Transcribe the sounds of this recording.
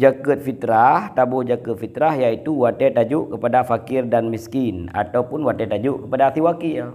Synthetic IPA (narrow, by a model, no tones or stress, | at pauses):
d͡ʒakət̪̚fit̪ɾaht̪abod͡ʒakət̪̚fit̪ɾahjait̪uwat̪ɛt̪ad͡ʒuʔkəpadafakɪrdanmiskina̰t̪awpʊnwat̪ɛt̪ad͡ʒuʔkəpadaːt̪iwakia